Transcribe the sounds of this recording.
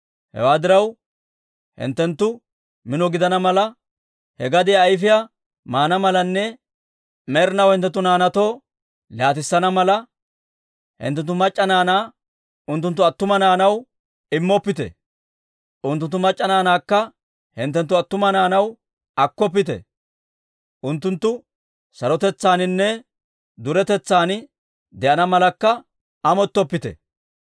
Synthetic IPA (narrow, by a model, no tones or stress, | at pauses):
hɛ̰waːd̪ɪɾɐw | hɪ̰nt̪ːɛnt̪ːʊ | mɪnɔɡɪd̪ɐnɐmɐlɐ | hɛɡɐd̪ɪjaːjf̬ɪja | maːnɐmɐlɐnːɛ | mɛɾɪnɐwhɪnt̪ːɛt̪ːʊnaːnɐt̪oː | laːt̪ɪsːɐnɐmɐlɐ | hɪ̰nt̪ːɛnt̪̬ːʊmɐt͡ʃʼːɐnaːnaː | ʊnt̪ːʊnt̪̬ːʊɐt̪ːʊmɐnaːnɐw | ɪmːɔpːɪt̪ɛ̰ | ʔʊnt̪ːʊnt̪ːʊmɐt͡ʃʼːɐnaːnaːkːɐ | hɪnt̪ːɛnt̪̬ːʊɐt̪ːʊmɐnaːnɐw | ɐkːɔp̬ːɪt̪ɛ̰ | ʔʊnt̪ːʊnt̪ːʊ | sɐɾɔt̪ɛt͡sːaːnɪnːɛ | d̪ʊɾɛt̪ɛt͡sːaːn | d̪ɛʔɐnɐmɐlɐkːɐ | ɐmɔt̪ːɔpːɪt̪ɛ̰